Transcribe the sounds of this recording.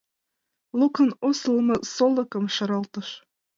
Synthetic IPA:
lˠukɤnosəlˠmɤ̆solˠɤ̆kɤ̆mʃɤɾɑlt̪ɤ̆ʃ

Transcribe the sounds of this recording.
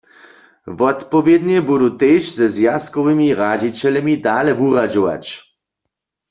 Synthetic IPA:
vɔt̪pɔvjɛd̪ɲɛbudut̪eʃzɛzjaskɔvɪmiʁad͡ʑit͡ɕɛlɛmʲid̪alɛvuʁad͡ʑɔwa̰t͡ɕ

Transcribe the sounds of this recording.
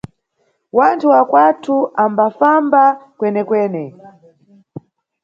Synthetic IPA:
wantʰuwakwatʰuʔambafambakwɛnɛkwɛːnɛ

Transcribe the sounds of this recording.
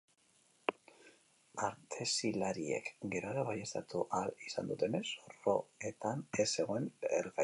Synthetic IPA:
aɾt̪ʰe̞silaɾie̞̰kɡe̞ɾoɾaβajest̪at̪uʔalisa̰nd̪ut̪e̞ne̞soro̞e̞t̪ane̞se̞ɣo̞eneɾɣa

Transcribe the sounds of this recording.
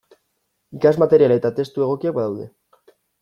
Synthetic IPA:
ikazmat̪e̞ɾiale̞t̪at̪e̞st̪ue̞ɣ̞o̞kiak̚baðawðe̞

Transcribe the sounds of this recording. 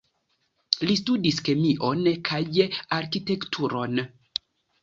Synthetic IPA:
listudiskemiʔonkʰajjeaɾkitektʰuɾon

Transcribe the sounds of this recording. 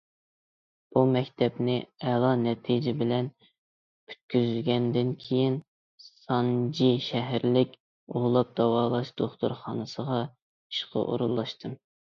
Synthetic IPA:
b̥umɛkʲt̪ʰɛpnɪɛlˠɑnɛt̪ʰid͡ʒɪbɪlɛn | kʰy̥t̪̚kʲyzylɡʲɛnd̪ɪnkʲʰejin | sɑnd͡ʒiʃɛɦɾlɪkʲ | oʁlˠɑp̚d̪ɑwɑːlˠɑʃd̪̥oχt̪uɾχɑ̰ːnɨsəʁɑ | i̥ʃqʰə̰ʔo̰ɾunlˠɑʃt̪ʰɨm

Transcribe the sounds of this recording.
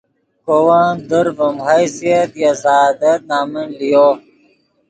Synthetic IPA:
kowand̪əɾvɐmɦajsiɐt̪jazaːd̪ɐt̪̚naːmɐnlijo

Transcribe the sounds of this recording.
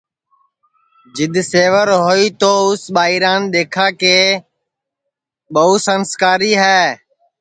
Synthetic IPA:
d͡ʒɪd̪seːʋəɾɦoːiːt̪oːʊsɓaːiːɾaːnɗ̪eːkʰãːkeː | ɓəuːsənskaːɾiːɦɛː

